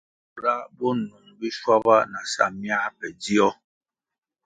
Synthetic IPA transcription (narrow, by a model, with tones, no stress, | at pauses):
ɾa˦bɔ˦nu˨ŋbi˦swa˦bβa˦na˨sa̰˦˨mja˦pɛ˨di˦ɔ˦